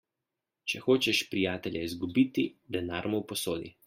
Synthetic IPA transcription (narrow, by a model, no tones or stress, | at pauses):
t͡ʃɛxoːt͡ʃɛʃpɾijaːt̪ɛlʲjɛizɡubiːt̪id̪ɛnaːɾmɔwpɔsoːd̪ḭ